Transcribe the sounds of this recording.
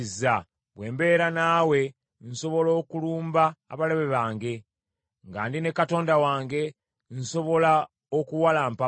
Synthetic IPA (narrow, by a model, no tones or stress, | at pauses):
za | βwe̞ːmbe̞ːɾanaːwe̞ | nso̞βo̞lo̞ːkuluːmba̰ːβaleβeβaːŋɡe̞ | ŋɡa̰ːndine̞kato̞ːndawaːŋɡe̞ | nso̞βo̞la | okuwalaːmpa